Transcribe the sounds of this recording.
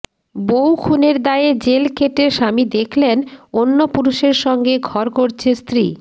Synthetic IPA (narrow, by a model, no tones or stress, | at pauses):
bowkʰuneɾd̪aed͡ʑelkeʈeʃamid̪ekʰlenonːopuɾuʃeɾʃɔŋɡeɡʱɔɾkoɾt͡ɕʰest̪ɾi